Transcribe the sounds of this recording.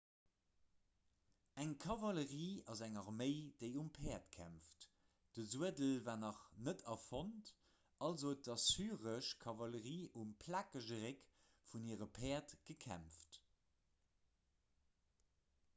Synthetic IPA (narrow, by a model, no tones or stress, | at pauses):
æŋkʰɑvɑləʁiːɑzæŋɑʁməɪd̥eɪumpʰɛːɐtkʰæ̰mft | d̥əzuədəlvaːnɑχnətʰɑfont | ʔɑlzodɑsyːʁəʃkʰɑvɑləʁiːʔumpʰlaːkəʒəʁek | funiːəʁəpʰɛːɐtɡ̥əkʰæ̰mft